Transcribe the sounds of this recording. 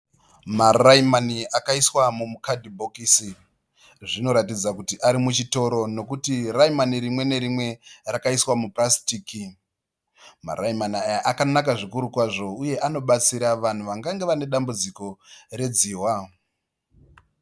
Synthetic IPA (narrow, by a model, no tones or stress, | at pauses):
maraimaniakaiswamumukadʱibʱokisi | ʐino̞ɾatid͡zakutiʔaɾimut͡ʃito̞ɾo̞no̞kutiraimaniɾimwe̞ne̞ɾimwe̞rakaiswamuprasi̥tiːki | ma̰raimanajaʔakanakaʐikuɾukwaʐo̞uje̞ʔano̞ɓat͡siɾaʋan̤uʋaŋɡaŋɡe̞ʋane̞ɗambud͡ziko̞re̞d͡ziːwa